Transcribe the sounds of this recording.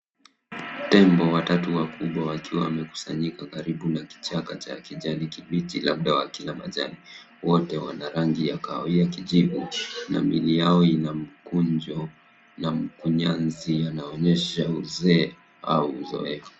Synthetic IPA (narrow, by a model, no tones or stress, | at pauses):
tɛmbɔwatatuwakuɓwawakiwawamɛku̥saɲikakaɾiɓunaki̥t͡ʃakat͡ʃakiʄanikiɓitilaɓ̚ɗawakilama̰ʄa̰ni | wɔtɛwa̰naɾaŋɡijakaɔiakiʄiɓṵna̰milijaɔinam̩kuɲd͡ʒɔ | nam̩kuɲanzijanaɔɲɛʃauzɛ | a̰uzɔ̰ɛfu̥